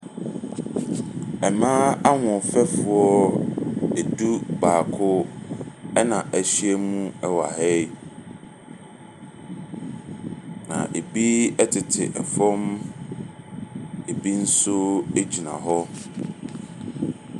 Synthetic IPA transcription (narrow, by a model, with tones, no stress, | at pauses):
ɛ˨mãː˦a˦ŋɔ̃˨fɛ˦fʊ˨˦ɔ˦ | e˨du˦baː˨kʰʊ˦ | ɛ˦nã˨ʔæ˨ɕi˦ɛ˦mũ˦ɛ˦wa̰˨hɛ˦j | nã̰˨ʔe˨bi˦ɛ˦tʰɪ˨tʰɪ̰˨ʔɛ˨fɔ̃˦m | e˨bi˦n̩˦sʊ˦e˦d͡ʑi˨nã̰˨ɦɔ˦